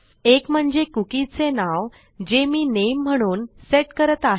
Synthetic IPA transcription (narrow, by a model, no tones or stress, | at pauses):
ekm̤əɳd͡zekukit͡senaʋ | d͡ʑemiːnem̤ːəɽ̃uːnseʈkəɾət̪aɦ